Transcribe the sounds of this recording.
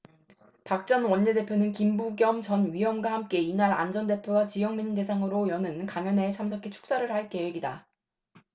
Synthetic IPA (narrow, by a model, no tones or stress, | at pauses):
pak̚t͡ɕ͈ʌnwʌɲːede̞pʰjonɯnkimbuɡjʌmt͡ɕʌnɥijʌmɡwahamk͈e̞inaɾa̰nd͡ʑʌnde̞pʰjoɡat͡ɕijʌŋmiɲde̞s̬ʰaŋɯɾojʌnɯnkaŋjʌne̞sʰamsʰʌkʰit͡ɕʰu̥k̚s͈aɾɯɭhaɭk͈e̞we̞ɡida